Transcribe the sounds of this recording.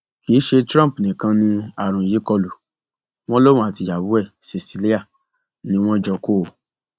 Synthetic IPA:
kiː˨˦ʃe˧tɾã˦˨pnĩ˨kã˧nĩ˧a˨ɾ̃ũ˨ji˨˦kɔ˧lu˨ | w̃ɔ̃˦lo˦w̃ũ˦a˨ti˧d͡ʒa˨wu˦ɛ˦˨si˨si˨˦li˦a˦˨ | nĩ˧˦w̃ɔ̃˦d͡ʒɔ˧ko˦˨

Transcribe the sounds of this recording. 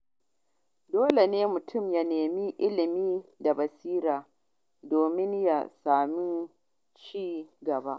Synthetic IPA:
doː˦le˨neː˦mʊ˨tʰʊ˦mja˦neː˨mi˦ʔɪ˦lɪ˨miː˦da˨bɐ˨siː˦ɾaː˨ | doː˨mɪ˦nja˨saː˨mi˦ | t͡ʃiː˦ɡɐ˨ba˦ʔ

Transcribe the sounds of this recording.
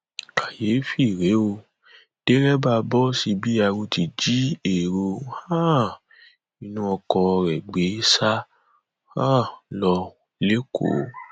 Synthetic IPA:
ka˨je˨˦fi˦˨ɾe˨˦o˧ | d̥e˦ɾɛ˦ba˧˨˧bɔ˦si˧bi˦a˧ɾu˧ti˨d͡ʒi˨˦e˨ɾo˧ha˦ | i˧nũ˧˦ɔ˧kɔ̃˧ɾɛ˨ɡ͡be˨˦sa˦ | hã˦˨lɔ˧ | le˦ko̰˦˨

